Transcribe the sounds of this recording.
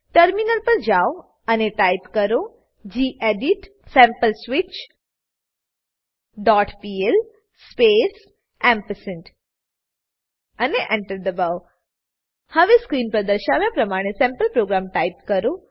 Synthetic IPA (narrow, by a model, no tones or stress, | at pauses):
ʈəɾminəlpəɾd͡ʒao | əneʈajpkəɾo | d͡ʑiːʔeɖiʈ | sɛ̃mpəlsʋɪt͡ʃ | ɖɔːʈpiːel | spes | ɛ̃mpəsəɳʈ | əneʔẽɳʈəɾd̪əbaw | həʋeskɾiːnpɾəd̪əɾʃaʋjapɾɐmaɽ̃esɛ̃mpəlpɾoɡɾamʈaipkəɾo